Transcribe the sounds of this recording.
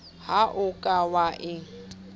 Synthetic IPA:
haʔʊkʼawaʔɪŋ̩

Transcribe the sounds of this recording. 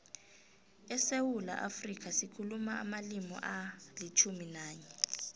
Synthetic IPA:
ɛsewula̰ʔafrik̬ʰasikʰulumaa̰malimɔ̰ʔalit͡ʃʰuminaːɲɛ

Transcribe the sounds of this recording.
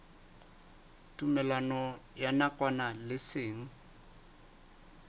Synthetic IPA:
tʼumɛlanɔjanakʼwanalɪsɪːŋ̩

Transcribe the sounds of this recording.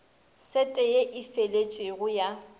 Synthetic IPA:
sɛtʼɛjeʔɪfelet͡ʃʼɪɣʊja

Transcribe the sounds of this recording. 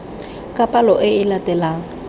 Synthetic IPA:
kʼapʼalɔʔɪɪlatʼɛlaːŋ̩

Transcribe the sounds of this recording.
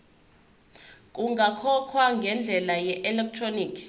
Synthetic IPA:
kʼuŋɡʱakʰɔkʰwaŋɡʱɛnd͡ɮʱɛlajɛʔɛlɛk̚tʰroniːkʰ

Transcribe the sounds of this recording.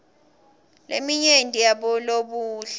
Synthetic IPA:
lemiɲendʱʼijaɓɔloɓuːɬ

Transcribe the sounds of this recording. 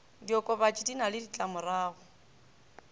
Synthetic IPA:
diɔkʼɔbat͡ʃʼidinalɪdit͡ɬʼamʊraːɣʊ

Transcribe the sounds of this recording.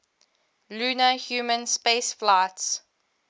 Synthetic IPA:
lunəhjuːmə̃nspeɪsflaɪts

